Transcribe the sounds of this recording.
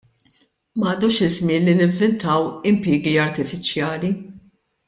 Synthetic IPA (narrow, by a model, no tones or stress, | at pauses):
mɐːd̪uːʃɪzmɪːnlinɪɱvːɪnt̪ɐwɪmpɪːɡiɐɾt̪ɪfɪt͡ʃjɐːli